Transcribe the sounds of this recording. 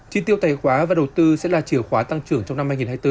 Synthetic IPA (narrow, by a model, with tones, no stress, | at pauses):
t͡ɕi˧t̪i˧əwt̪aː˧˩jxwaː˨˦vaː˨˩ɗə˨˩wt̪ɨ˧sɛ̰˧˥laː˨˩t͡ɕi˧˩əwxwaː˨˦t̪a˧ŋt͡ɕɨ˨˧˩əŋt͡ɕɔ˧wŋ͡mna˧mhaː˧jŋi˨˩nhaː˧jt̪ɨ˧